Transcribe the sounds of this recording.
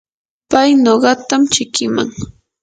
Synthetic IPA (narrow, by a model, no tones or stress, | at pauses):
pajnoɢɑt̪amt͡ʃɪkɪma̰ŋ